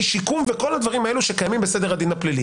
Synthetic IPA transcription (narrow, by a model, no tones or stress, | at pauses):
ʃikumveko̞lhad̪vaʁimae̞luʃekajamimbesed̪e̞ʁad̪inaplili